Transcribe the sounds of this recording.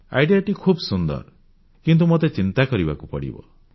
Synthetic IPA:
a̰jɖijaʈikʰubsund̪ɔ̰ɾ | kint̪umot̪et͡ʃint̪akɔɾiba̰kupɔɽḭbɔ̰

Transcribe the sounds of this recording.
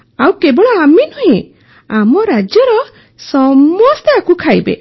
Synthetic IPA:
awkebɔɭɔaminɔɦẽ | amɔɾad͡ʒjɔɾɔ | sɔmɔst̪eakukʰajbḛ

